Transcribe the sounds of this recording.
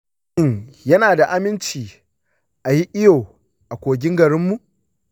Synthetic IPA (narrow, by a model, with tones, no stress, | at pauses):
ɪ˦ɲjɐ˦naː˨da˨ʔa˦mɪ˦nt͡ʃiː˨ | ʔa˨ji˦ʔɪ˦joː˨ | ʔa˨kʷoː˨ɡʲɪ˦ŋɡɐ˨ɽɪ˦mːu˨ʔ